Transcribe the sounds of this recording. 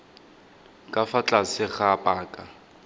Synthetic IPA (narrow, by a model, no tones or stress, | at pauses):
kʼafat͡ɬʼasɪɣapʼaːkʼa